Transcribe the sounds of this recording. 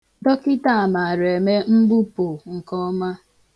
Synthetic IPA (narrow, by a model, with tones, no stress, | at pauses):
tɔ˦kɪ˦ta˦a˨ma˨ɾe˨me˦m̩˦bu˦pʊ˨ŋ̩˨kɔ˦ma˦